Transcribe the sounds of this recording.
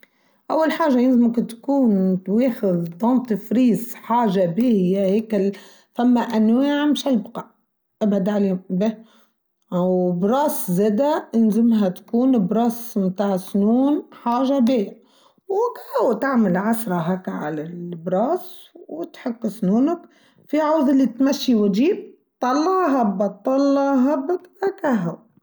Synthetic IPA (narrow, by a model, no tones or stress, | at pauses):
ʔawːalħaːʒːajɪnzɪmakt̪kuːnt̪weːxɪðd̪ˤɑnt̪ɪfɾiːsħaːʒabiːhɪjːaheːkɪl | famːaʔanwaːʕmɪʃalbqɑʕ | ʔabʕad̪ʕaleːbe | wbɾˤɑːszeːd̪ajɪnzɪmɦat̪kuːnbɾˤɑːsmt̪aːʕɪsnuːnħaːʒabeː | wkahawt̪aʕmalʕasɾˤɑɦaːkaʕa̰lalbɾˤɑːswɪt̪ħʊkːsnuːnak | fiʕawzɪlːit̪maʃːiwɪd͡ʒiːb̚ | t̪ˤːɑlːɑɦabːat̪ˤːɑlːɑɦabːat̪akaɦaw